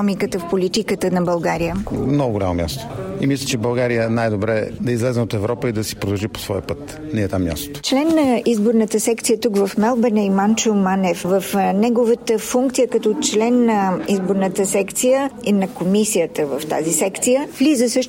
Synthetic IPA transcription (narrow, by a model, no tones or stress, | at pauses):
ɔmikət̪əfpolit̪ikət̪ənɐbɐlˠɡaɾijəmnɔɡʊɡolamomʲja̰st̪oḭmislʲət͡ʃɛbɐlˠɡaɾijənajd̪obɾɛd̪ɐizlɛznɛot̪ɛvɾɔpəid̪ɐsi̥pɾod̪ɐlˠʒipo̥svɔjəpət̪ | nɛɛt̪amːja̰st̪o̥t̪o̥t͡ʃlɛnːɐizboɾnət̪əsɛkt̪sijət̪ukvɐfmɛlˠbɛnɛimant͡ʃomanɛfvəfnɛɡovət̪əfuŋk̚t̪sijəkɐt̪ɔt͡ʃlɛnːɐizboɾnət̪əsɛkt̪sijəinɐkomisijət̪əvəft̪a̰zisɛkt̪sijəvlizəsɤʃ